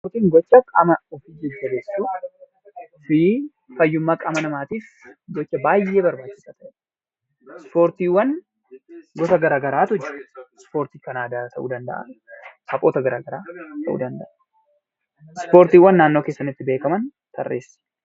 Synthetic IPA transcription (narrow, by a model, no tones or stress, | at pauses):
spoɾt̪iːŋɡɔt͡ʃːɐkʼɐ̰mɐɔfiːd͡ʒɛd͡ʒːɐbesːuː | ɔfɪ | fɐjːʊmːakʼɐmɐnɐmaːt̪iːf | ɡɔt͡ʃːɐbaːjːe̞ːbɐɾbaːt͡ʃːɪ̥saːt̪ɐʔɛ | spo̞ːɾt̪iːwːɐn | ɡɔt̪ɐɡɐɾaːɡɐɾaːt̪ɔd͡ʒɐ̥spo̞ːɾt̪iːkɐnaːd̪aːt̪ɐʔṵːd̪ɐnd̪ɐ̰ʔɐ̰hɐfʼoːt̪ɐɡɐɾaːɡɐɾaːt̪ʰɐʔṵːd̪ɐnd̪ɐʔɐ | spo̞ːɾt̪iːwːɐnːaːnːo̞ːkeːsːɐnɪt̪ːɪbe̞ːkɐmɐnt̪ɐrːʔḛːs